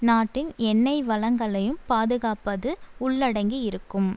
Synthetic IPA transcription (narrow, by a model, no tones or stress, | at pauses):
naːʈːɪnɛnːɐɪʋɐɭɐŋɡɐɭɐjɯmpaːðɯɣaːpɐðɯʊɭːɐɽɐŋɡiɪɾɯkːɯm